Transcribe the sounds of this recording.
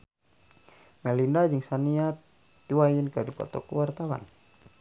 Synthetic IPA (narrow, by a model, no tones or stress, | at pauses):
mɛlindad͡ʒɨŋsaniat̪ː | iwajinkədipɔ̰t̪ɔ̰kəwart̪awa̰n